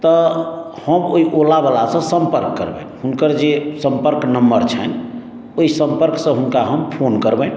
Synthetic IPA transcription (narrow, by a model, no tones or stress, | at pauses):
t̪ɔ | həmoiʔolabalasə̃səmpəɾkːəɾbɛ̰̃ | hunkəɾd͡ʒesəmpəɾknəmbəɾt͡ʃʰɛn | oisəmpəɾksə̃ɦunkaɦəmpʰonkəɾbɛ̃